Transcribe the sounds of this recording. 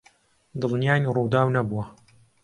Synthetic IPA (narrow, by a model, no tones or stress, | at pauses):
d̪ɨlnijaːnirud̪aːwnɐbuwɐ